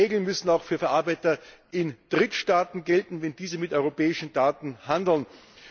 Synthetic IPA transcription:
eːɡl̩nmʏsn̩aʊxfyːɐfɛɐʔaɐbaɪtɐɪnd̥ʁɪtʃtaːtn̩ɡɛltn̩vɛndiːzəmɪtɔʏʁopɛːɪʃn̩d̥aːtn̩handl̩n

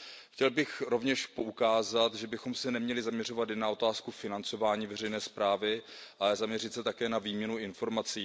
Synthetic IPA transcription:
xcɛlbɪxɾo̞vɲɛʃpo̞ʔukaːzat̪ʒɛbɪxo̞msɛnɛmɲɛlɪzamɲɛr̝o̞vat̪jɛnːao̞t̪aːskufɪnant͡so̞vaːɲiːvɛrɛjnɛːspɾaːvɪʔaɛzamɲɛrɪt̪sɛt̪akɛːnaviːmɲɛnuɪnfo̞ɾmat͡siː

